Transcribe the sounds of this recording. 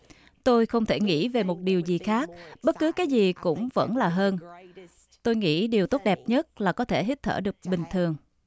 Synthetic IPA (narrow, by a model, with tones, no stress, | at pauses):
t̪o˧jxə˧wŋ͡mt̪ʰe˧˩ŋḭ˧˥ve˨˩mo˨˩t̚ɗi˨˩əwzi˨˩xaː˦˥k̚ɓə˦˥t̚kɨ˨˦kaː˨˦jzi˨˩kʊ̰˧˥ŋ͡mvə̰˧˥nlaː˨˩ɦəː˧n | t̪o˧jŋḭ˧˥ɗi˨˩əwt̪o˦˥t̚ɗɛ˨˩p̚ɲə˦˥t̚laː˨˩kɔ˨˦t̪ʰe˧˩ɦi˦˥t̚t̪ʰə̰ː˧˩ɗɨ˨˩ək̚ɓï˨˩ŋ̟t̪ʰɨ˨˩əŋ